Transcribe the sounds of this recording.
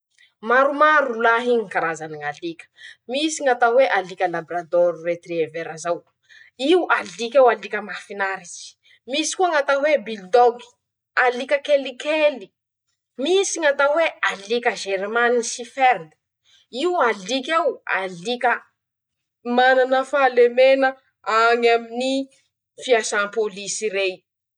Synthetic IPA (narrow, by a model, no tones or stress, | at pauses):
maɾumaɾulaɦiɲikaɾazaniŋalikʲə̥misiŋat̪aweʔalikʲəlabɾad̪oɾiret̪rieveɾazaw | iwʔalikʲewalikʲəmafinaɾit͡ʃi̥ | misi̥kuaŋat̪awebild̪oɡi̥ | alikʲəkelikeli | misiŋat̪awealikʲəʒeɾmanisiferd̪ə̥ | iualikʲewa̰likʲə | mananəfalemenə | aŋamini | fiasanpolisiɾej